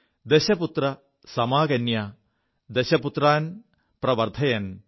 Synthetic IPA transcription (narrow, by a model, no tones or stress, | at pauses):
d̪eɕɐput̪rɐ | sɐmaːkɐnjɐ | d̪eɕɐput̪raːn | pɾɐʋɐɾt̪ʰɐjɐn